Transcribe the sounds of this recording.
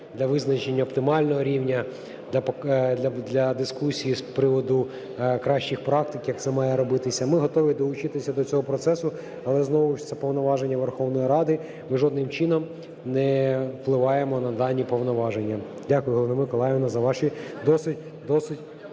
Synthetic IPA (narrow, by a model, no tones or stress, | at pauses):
d̪lʲɐʋɪznɐt͡ʃenʲːɐɔpt̪ɪmɑlʲnɔɦɔɾʲiwnʲɐ | d̪ʲɐpd̪lʲɐd̪lʲɐd̪ɪskusʲijispɾɪʋɔd̪ʊ | kɾɑʃt͡ʃixpɾɑk̚t̪ɪkjɐk̚t̪sɛmɑjɛɾɔbɪt̪ɪsʲɐmɪɦɔt̪ɔʋʲid̪ɔlˠʊt͡ʃɪt̪ɪsʲɐd̪ɔt͡sʲɔɦɔpɾɔt̪sɛsʊ | ɐlˠɛznɔʋʊʃt̪sɛpɔʋnɔʋɑʒenʲːɐʋrxɔwnɔjiɾɑd̪ɪ | mɪʒɔd̪nɪmt͡ʃɪnɔm | nɛfplˠɪʋɑjemɔnɐd̪ɑnʲːipɔʋnɔʋɑʒenʲːɐdʲakʊjʊɦɔlˠɔnɪmɪkɔlˠɑjʋɪnɐzɐʋɑʃid̪ɔsɪtʲ | d̪ɔsɪtʲ